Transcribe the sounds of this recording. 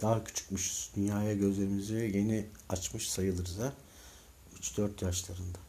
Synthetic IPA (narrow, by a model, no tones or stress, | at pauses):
d̪̥aːacʰy̥t͡ʃʰy̥cmyʃuz̥d̪ynjaːjaɟø̞zlʲe̞ɾimiziɛɟe̞niat͡ʃmɯʃsajɯlˠɯɾza | yt͡ʃd̪̥øɾt̪jaʃlˠaɾɯnd̪a